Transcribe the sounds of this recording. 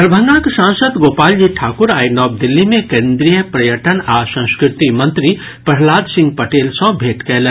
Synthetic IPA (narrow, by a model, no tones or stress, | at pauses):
ɾbʱə̃ŋɡãkʃãːnsəd̪ɡoːpaːld͡ʒiʈʰaːkʊɾaːinɔːb̚d̪ɪlːimẽkẽːnd̪ɾijəpɾɐjəʈənaːsɐ̃skɾɪt̪imɐ̃nt̪ɾi | pɐɦlaːd̪sɪ̃ŋɡ̚pɐʈeːlsɔ̃bʱeːʈkɛɦle